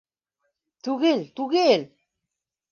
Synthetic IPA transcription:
t̪uɣelt̪uɣel

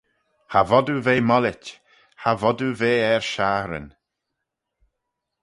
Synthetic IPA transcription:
havɔd̪uveːmɔlɪt | havɔduveːɛɹʃaɾə̰n

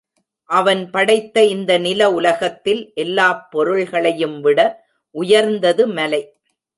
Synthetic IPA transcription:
ʔɐʋɐnpɐɽɐɪt̪ːɐɪnd̪ɐnɪlɐʊlɐɣɐt̪ːɪlʔɛlːaːpːɔɾɯɭɣɐɭɐjɯmʋɪɽɐ | ʔʊjɐɾnd̪ɐðɯmɐlɐɪ

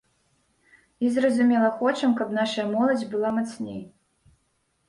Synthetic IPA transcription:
izrɐzumʲɛlˠɐxɔt͡ʂɐmkɐpnaʂɐjɐmɔlˠɐd͡zʲbɨlˠamat̪snʲḛj

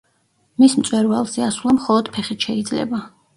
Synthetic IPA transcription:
mismt̪sʼwɛɾvalˠzɛasulˠamχɔlˠɔd̪̥pʰɛχit̪ʃɛid̪zlɛ̰ba

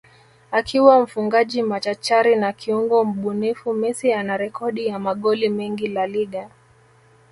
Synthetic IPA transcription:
akʰiwam̩fuŋɡaʄimat͡ʃat͡ʃaɾinakʰiuŋɡɔm̩ɓunifumisianaɾɛkʰɔɗijamaɠɔlimɛŋɡilaliɠa

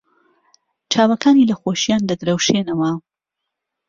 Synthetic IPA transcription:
t͡ʃʰaːwɐkaːniːlɐxoːʃjaːnd̪ɐd̪ɾɐwʃeːnɐwɐ

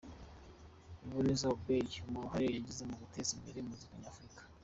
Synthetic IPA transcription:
iβunezauɡeɟumuɾuɦaɾojaɟizemoɡutʰezimbeɾemuzikaɲaːfɾikḁ

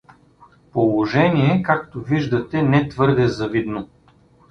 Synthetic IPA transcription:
polˠoʒɛniɛkakt̪oviʒd̪ɐt̪ɛnɛt̪vɤɾd̪ɛzɐvid̪no

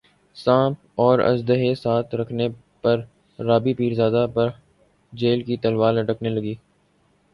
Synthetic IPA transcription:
sãːp̚ | ɔːɾɐ̰d͡ʒd̪əɦesaːt̪ʰɾɐkʰne | pɐɾː | aːbipiːɾzaːd̪apɐɾ | d͡ʒeːlkit̪ɐlwaːlɐʈəknelɐɡiː

